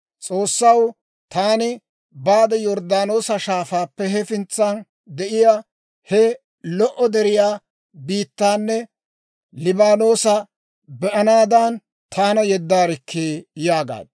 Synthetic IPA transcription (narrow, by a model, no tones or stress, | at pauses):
t͡sʼo̞ːsːɐw | t̪aːnɪ | baːd̪ɐjɔɾd̪aːno̞ːsɐʃaːfaːpːɛɦɛfɪnt͡sːan | d̪ɛʔɪjaː | hɛ | lɔʔɔd̪ɛɾɪjaː | biːt̪ːaːnːɛ | lɪbaːno̞ːsɐ | bɛʔɐnaːd̪ɐn | t̪ʰaːnɐjɛd̪ːaːɾɪkʰːeːjaːɡa̰ːd̪